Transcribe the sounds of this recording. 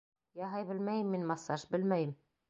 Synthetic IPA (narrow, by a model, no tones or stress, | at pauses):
jɑɦɑjbɘlmæjɘmːinmɑsɑʃbɘlmæjɘm